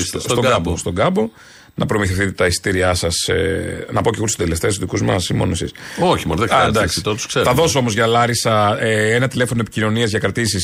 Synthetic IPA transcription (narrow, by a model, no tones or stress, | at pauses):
sst̪oɡɡɐbost̪o̞ɡɐbo̞ | nɐpɾo̞miθefθit̪et̪ɐist̪iɾiɐsɐsḛnɐpoceɣoɾst̪od̪eleft̪esuðikuzmɐsimo̞̰noesḭsoçimonðekɐd̪ɐksst̪ot̪u̥skseɾɐðo̞soo̞mozʝɐlɐɾisɐeenɐt̪ile̞fo̞nopicino̞niɐzʝɐkɾɐt̪isis